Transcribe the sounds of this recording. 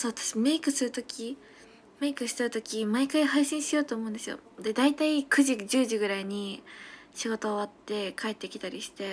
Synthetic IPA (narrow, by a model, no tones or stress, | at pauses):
soːβat̪ḁɕime̞ikɯ̟sɨɾɯ̟t̪okʲʰi | me̞ikɯ̟ɕi̥t̪aɯ̟t̪o̞kʲimaikaihaiɕĩɰ̃ɕijo̞ːt̪o̞ːmo̞ɯ̟̃nd̪esɨjo̞̰d̪e̞d̪ait̪aikɯ̟ʑid͡ʑɨːʑiɡɯ̟ɾaiɲ̟i | ɕiɡo̞t̪o̞ːβat̪ːe̞kʰae̞t̪ːe̞kʲi̥t̪aɾʲiɕi̥t̪e̞